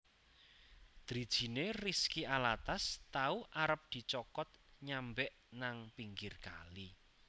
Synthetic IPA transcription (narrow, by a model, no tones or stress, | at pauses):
d̪̥ɾid̥ʒ̥i̤neriskiʔalat̪ast̪auʔaɾəp̚d̪̥i̤t͡ʃɔkɔt̪̚ɲambɛʔ | naŋpiŋɡɪrka̰li